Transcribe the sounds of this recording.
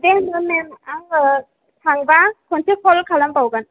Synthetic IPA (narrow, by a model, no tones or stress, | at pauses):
demɯmemaŋ | sʰaŋbakʰɔnsikʰɔlkʰalambawɡan